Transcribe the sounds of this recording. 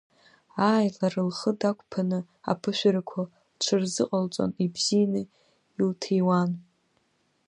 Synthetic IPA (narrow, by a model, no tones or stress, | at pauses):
aːjlarɨlχədakʷʼpʰanɨ | a̰pʰɨʃʷᶣaɾakʷʰa | ʈ͡ʂʷʰɨrzɨqʼalt͡sʷʼo̰nibzijnɨ | iltʰejwan